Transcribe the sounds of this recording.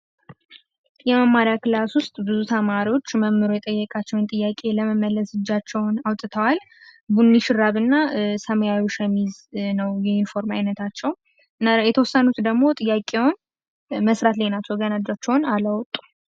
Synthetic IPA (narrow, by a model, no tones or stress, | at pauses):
jɛməmːaɾijakɨlaswʊst̪ʼbɨzut̪ʰəmaɾio̞t͡ʃːməmːɨɾojɛt̪ʼəjːɛkʼat͡ʃːɛwnt̪ʼɨjːakʼe̞ləməməlːəsɨd͡ʒːat͡ʃːɛwnawt̪ʼːɨt̪ʰəwal | bunːiʃɨɾaβɨnːasəməjawiʃəmiznəwjɛinfo̞ɾmajnət̪ʰat͡ʃːɛw | najɛt̪ʰəwɔsːənut̪d̪əɡmo̞t̪ʼɨjːakʼewɔn | məsɾat̪lenat͡ʃːɛwɡənad͡ʒat͡ʃːɛwnaləwɔt̪ʼːu̥